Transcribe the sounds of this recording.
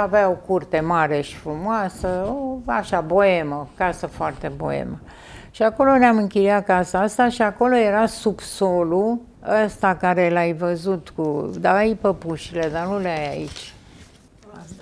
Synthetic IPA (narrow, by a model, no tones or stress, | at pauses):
aveaokurt̪e̞maɾe̞ʃi̥fɾumoasəoa̰ʃabo̞e̞məkasəfoart̪e̞bo̰ḛmə | ʃiako̞lo̞neamɨŋkilijakaasaast̪aʃiako̞lo̞je̞ɾasubsolu | əst̪akaɾe̞lajvəzut̪kud̪aːjpəpuʃile̞d̪anuleajait͡ʃʲ